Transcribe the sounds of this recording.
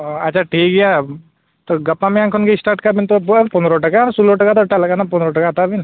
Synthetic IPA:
ɐtːt͡ʃʰaʈʰiːk̚ɡija | t̪oɡɐpːamẽãŋkʰonkeɪsʈaːɾʈkabint̪oppund̪ɾoʈɐkansuloʈəkat̪oʈalɐkanapɔnɾoʈɐkat̪abin

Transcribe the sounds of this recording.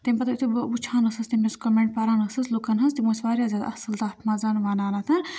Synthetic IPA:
t̪imʲpɐt̪ɐit̪ʰubbut͡ʃʰaːnɐsɐst̪imʲeskɔmeɳʈ̚pɐɾaːnɐsɐslukɐnɦɐnst̪imosʋaːɾjaːzʲaːd̪ɐ̰sɐlt̪aːpʰmazaːnʋaːnaːnat̪ʰɐn

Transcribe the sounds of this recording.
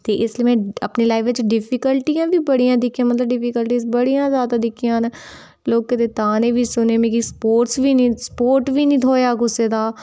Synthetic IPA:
t̪eːʔɪslieːmɛ̃ːəpneːlaːɪʋt͡ʃɖɪpʰiːkəlʈijãːʋiːbəɽijãːd̪ɪkʰːijãːmət̪ləbɖɪpʰiːkəlʈiːsbəɽijãːzjaːd̪aːd̪ɪkʰijãːn | loːɡ̚kɪt̪eːt̪aːnẽːʋʱiːsʊneːmẽːkispoːʈsʋiːnĩːspoːɾʈʋiːnĩːt̪ʰoːjaːɡʊseːd̪aː

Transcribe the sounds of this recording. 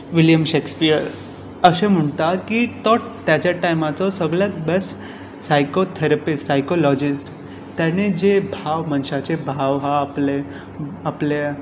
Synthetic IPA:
ʋiljəmɕekspijəɾ | əɕẽm̤əɳt̪akit̪ɔʈt̪jat͡ɕaʈajmat͡sɔsəɡɭabesʈ | sajkot̪ʰeɾapissajkolɔd͡ʑisʈ | t̪janed͡ʑebʱaʋmənɕat͡ɕebʱaʋɦaːple | aple

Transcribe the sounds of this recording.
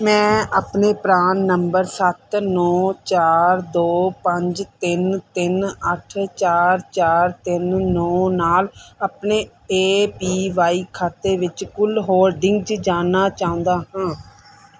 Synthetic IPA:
mɛ̃ːaːpneːpɾaːnːəmbəɾsət̪nɔːt͡ʃaːɾd̪oːpəɲd͡ʒt̪ɪnt̪ɪnəʈʰt͡ʃaːɾt͡ʃaːɾt̪ɪnːɔːnaːlaːpneː | eːpiːʋaːiːkʰaːt̪eːʋɪt͡ʃkʊlɦoːɾɖɪ̃ŋɡd͡ʒd͡ʒaːnaːt͡ʃaːʊ̃nd̪aːɦãː

